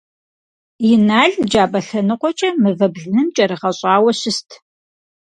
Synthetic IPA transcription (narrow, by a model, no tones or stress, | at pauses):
jɪnaːɮd͡ʒaːbɐɬɐnɨqʷɔt͡ʃʼɐmɨvɐbɮɨnɨmt͡ʃʼɐɾɨʁɐɕʼɑːwɐɕɪstʰ